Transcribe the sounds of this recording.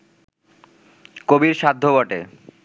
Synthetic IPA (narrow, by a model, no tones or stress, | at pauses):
kobiɾʃad̪ʱːobɔʈe